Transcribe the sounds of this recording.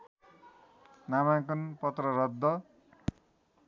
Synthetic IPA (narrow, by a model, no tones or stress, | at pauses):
namãkunpʌt̪rʌɾʌd̪ːʌ